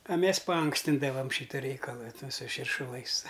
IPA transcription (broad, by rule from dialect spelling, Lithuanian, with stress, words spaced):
ɐ ˈmʲɛs pɐˈɐŋksʲtʲɪndɐʋɐm ˈʃʲiːtɐ ˈrʲɛɪkɐlˠɐ ˈtʊ sʊ ʃʲɪrʃʊˈlˠɐɪs